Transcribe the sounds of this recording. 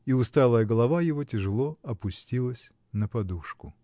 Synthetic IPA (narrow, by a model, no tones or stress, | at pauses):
iʊst̪alˠəjəɡəlˠɐvajɪvotʲɪʐɨlˠoɐpʊsʲtʲilˠəsʲ | nəpɐd̪uʂkʊ